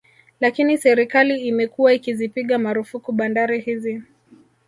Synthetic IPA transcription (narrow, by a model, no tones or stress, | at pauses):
lakinisɛɾikaliːmɛkuwaikizipiɠamaɾufukuɓandaɾihizi